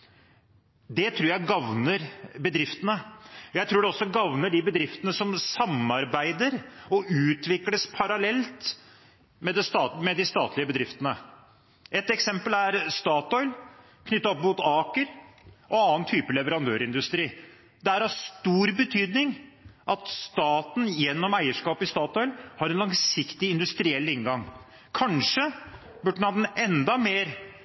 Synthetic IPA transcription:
d̪ɛt̪ʰɾuːɾjæɪɡɑʋnəɾbəd̪ɾɪft̪ənəjæɪt̪ʰɾuːɖɛɔsːɔɡɑʋnəɖɪbəd̪ɾɪft̪ənəsɔmsɑmɑɾbæɪd̪əɾɔʔʉːt̪ʋɪkləspʰɑɾɑlɛlt̪ | mɛd̪ɛst̪ɑːmɛd̪ɪst̪ɑːt̪ʰlɪəbəd̪ɾɪft̪ənə | ɛt̪ɛksɛmpəlæɾst̪ɑːt̪ɔʏl | kʰnʏt̪ːɑɔpmuːt̪ɑːkəɾʔɔɑːnt̪ʰyːpəlɛʋəɾɑnd̪øːɾɪnd̪ʉst̪ɾiː | d̪ɛææɾɑst̪uːɾbət̪ʰyːd̪nɪŋʔɑt̪st̪ɑːt̪n̩jɛnːɔmæɪəʂkɑːpɪst̪ɑːt̪ɔʏlhɑɾɛnlɑŋsɪkt̪ɪɪnd̪ʉst̪ɾɪɛlːɪŋɡɑŋ | kʰɑnʂə | bʉɖːnhɑd̪ɛnɛnd̪ɑmeːɾ

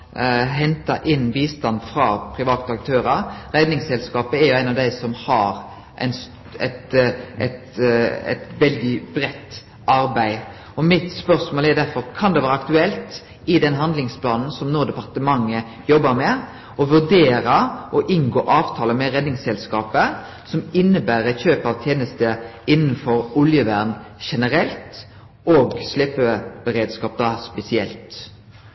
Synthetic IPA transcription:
ɦɛnt̪ɑ̰ʔɪnʋiːst̪ɑnd̪fʁɑpʰɾɪʋɑːt̪ɑk̚t̪ʰøːɾɑɾɾɛd̪nɪŋsɛlskɑːpəɛɾjʊæɪnɑʋd̪æɪsɔmhɑɾ | ʔɛ̰ɪns | ɛt̪ɛ̰t̪ɛ̰t̪ʋɛld̪ɪbɾɛt̪ː | ʔɑɾbæɪ | ɔmɪt̪spœɾsmoːlɛɾd̪æɾfɔɾkʰɑnd̪ɛʋɑːɾəɑkt̪ʉɛlt̪ | ɪd̪ɛnɦɑnd̪lɪŋspʰlɑːnn̩sɔmnuːʁd̪əpɑʁt̪əmɑŋːə | jɔbəɾmɛ | ɔʋʉʁd̪eːɾəʔɔʔɪŋɡoːʔɑːʋt̪ʰɑːləmɛʁɛd̪nɪŋsɛlskɑːpə | sɔmɪnːəbæːɾəçøːpɑʋt̪ʰjeːnəst̪əɪnn̩fɔɾʊljəʋæʁnʃɛnəɾɛlt̪ | oːɡslepəbəɾeːd̪skɑːp̚d̪ɑːspɛsɪɛ̰lt̪

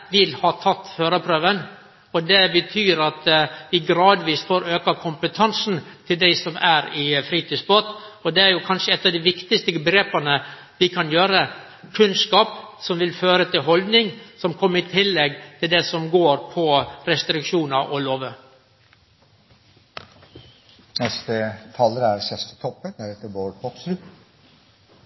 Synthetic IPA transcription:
ʋɪlhɑːt̪ʰɑt̪ːhøːɾəpʰɾøːʋən | ɔd̪ɛbət̪ʰyːɾɑt̪ʋɪɡɾɑːd̪ʋiːsfoːɾøːkɑkʰʊmpət̪ʰɑnsn̩t̪ʰɪld̪æɪsɔmæɾɪfɾiːt̪yːsbot̪ːɔd̪ɛæɾjʊkʰɑnʂəɛt̪ːɑʋd̪ɪʋɪkt̪ɪst̪əbɡɾeːpɑnə | ʋɪkʰɑnjøːɾə | kʰʉnskɑːpsɔmʋɪlføːɾət̪ɪlɦɔld̪nɪŋsɔmkʰɔmːəɾɪt̪ʰɪlːɛɡt̪ʰɪld̪ɛsɔmɡoːɾpʰɔɾɛst̪ɾɪkʂuːnɑʔɔloːʋə | nɛst̪ət̪ʰɑləɾæɾsɛst̪ə̥t̪ʰɔpːənd̪æɾɛt̪ːəboːɾpʰɔksɾʉ

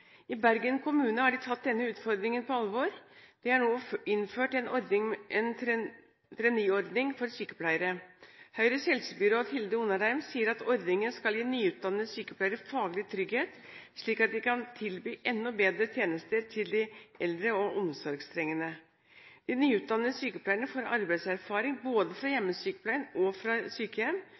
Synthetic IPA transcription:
ɪbæɾɡənkʰʊmʉːnəhɑɖɪt̪ʰɑt̪̚d̪ɛnːəʉːt̪fɔɾd̪ɾɪŋənpɔɑlʋoɾd̪̥ɪhɑɳoːɪnføːʈɛnɔɾd̪nɪŋɛn | t̪ʰɾɛniːɔɾd̪nɪŋfɔɾsyːkə̥pʰlæɪəɾəhœʏɾəsɛlsəbʏɾoːd̪hɪld̪əuːnɑɾæɪmsiːəɾɑt̪ɔɾd̪nɪŋənskɑljiːnyːʉːt̪̚d̪ɑnːəsyːkəplæɪəɾəfɑːɡlɪt̪ʰɾʏɡheːt̪ | ʂɭiːkɑt̪̚d̪ɪkʰɑnt̪ʰɪlbyːʔɛnːɔbeːd̪ɾət̪ʰjeːnəst̪əɾt̪ʰɪld̪ɪɛld̪ɾəɔʔɔmsɔɾɡst̪ʰɾɛŋːənə | d̪̥ɪnyːʉːt̪̚d̪ɑnːəsyːkəpʰlæɪənəfɔɾɑ̰ɾbæɪsæɾfɑːɾɪŋboːd̪əfɾɑjɛmːəsyːkə̥pʰlæɪənɔfɾɑsyːkəjɛm

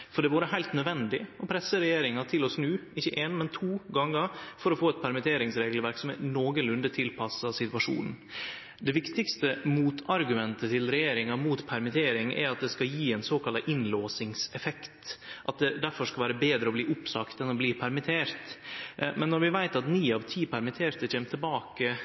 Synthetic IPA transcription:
fɔɖɛʋuːɾəɦæɪlt̪nœd̪ʋɛnd̪ɪɔpʰɾɛsːəɾɛjeːɾɪŋɑt̪ʰɪlɔsnʉːɪçːəʔeːnmɛnt̪ʰuːɡɑŋːəɾfɔɾɔfoːɛt̪̚pʰæɾmɪt̪ʰeːɾɪŋsɾeːɡlʋæɾksɔmɛnoːɡənlʉnd̪ət̪ʰɪlpʰɑsɑsɪt̪ʉɑʂṵːnn̩ | d̪ɛʋɪkt̪ɪkst̪əmuːt̪ʰɑɾɡʉmɛnt̪ət̪ʰɪlɾɛjeːɾɪŋɑmuːt̪pʰæɾmɪt̪ʰeːɾɪŋæ̰ɾɑt̪̚d̪ɛskɑjiːɛnsoːkʰɑlɑʔɪnloːsɪŋsɛfɛkt̪ʔɑt̪̚d̪ɛd̪æɾfɔʂkɑlʋæːɾəbeːd̪ɾəɔbliːʔʊpsɑkt̪ɛnɔbliːpʰæɾmɪt̪ʰeːɾt̪mɛnːɔɾʋɪʋæɪt̪ɑt̪niːɑʋt̪ʰiːpʰæɾmɪt̪ʰeːɾt̪əc͡çʰɛːmt̪ʰːɪlbɑːkə

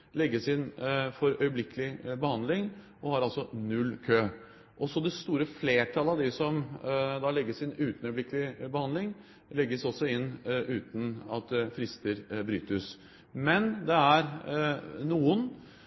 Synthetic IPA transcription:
lɛɡːəsɪnfɔɾœʏəblɪkəlɪbəhɑnd̪lɪŋ | ʔɔhɑɾɑlsɔnʉlːkʰøː | ʔɔsɔd̪ɛst̪uːɾəfleːʈʰɑləɑʋd̪ɪsɔmd̪ɑlɛɡːəsɪnʉːt̪n̩œʏəblɪkəlɪbəhɑnd̪lɪŋ | lɛɡːəsɔsːɔɪnːʉːt̪n̩ɑt̪fɾɪst̪əɾbɾy̰ːt̪əs | mɛnd̪ɛæɾ | nuːən

